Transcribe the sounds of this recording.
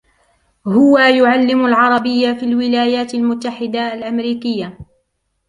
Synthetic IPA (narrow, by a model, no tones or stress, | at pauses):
hʊwajʊʕalːɪmʊlʕɑɾˤɑbɪjːafiːlwɪlaːjaːt̪almʊt̪ːaħɪd̪aalʔamɾiːkɪjːa